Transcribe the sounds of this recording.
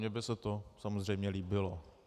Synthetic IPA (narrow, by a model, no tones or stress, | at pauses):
ɲɛbɪsɛt̪osamozr̝ɛjmɲɛliːbɪlo